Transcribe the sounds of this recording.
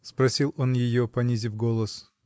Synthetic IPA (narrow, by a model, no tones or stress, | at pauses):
spɾɐsʲilˠo̞njɪjopɐnʲizʲɪfɡolˠəs